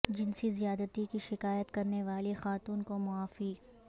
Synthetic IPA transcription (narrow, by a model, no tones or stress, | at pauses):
d͡ʒɪnsizijaːd̪ət̪ikiʃɪkaːjət̪kɐɾneʋaːlixaːt̪uːnkomʊaːfiː